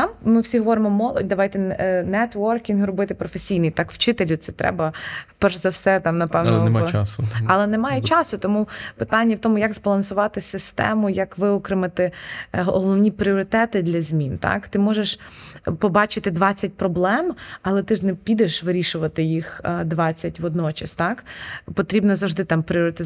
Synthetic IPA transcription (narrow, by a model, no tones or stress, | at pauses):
t̪ɑmmɪwsʲiɦɔʋɔɾɪmɔmɔlˠɔ̰dʲd̪ɐʋɑjt̪ɛnɛt̪ʋɔrkʲinɦrɔbɪt̪ɪpɾɔfesʲijnɨjt̪ɑkwt͡ʃɪt̪elʲʊt̪sɛt̪ɾɛ̰bɐpɛrʒzɐwsɛt̪ɑmnɐpɛʋnɔsɐlˠɛnɛmɑjɛt͡ʃɑsʊt̪ɔmupɪ̥t̪ɑnʲːɐwt̪ɔmʊjɐɡzbɐlˠɐnsʊʋɑt̪ɪsɪst̪ɛ̰mʊjɐkʋɪɔkɾɪmɐt̪ɪɦɔlˠɔwnʲipɾʲɪɔɾɪt̪ɛt̪ɪd̪lʲɐzʲmʲint̪ɑ̰kt̪ɪmɔʒeʃpɔbɑt͡ʃɪt̪ɪd̪ʋɑt͡sʲːɐt̚ʲpɾɔblˠɛmɐlˠɛt̪ɪʒnɛpʲid̪eʃʋɪɾʲiʃʊʋɐt̪ɪjixd̪ʋɑt͡sʲːɐtʲʋɔd̪nɔt͡ʃɐst̪ɑkpɔt̪ɾʲibnɔzɐwʒd̪ɪt̪ɑmpɾʲɪɔɾɪt̪ɪ